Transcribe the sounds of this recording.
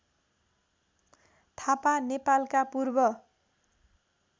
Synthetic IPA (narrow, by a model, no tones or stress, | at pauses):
t̪ʰapanepalkapurbʌ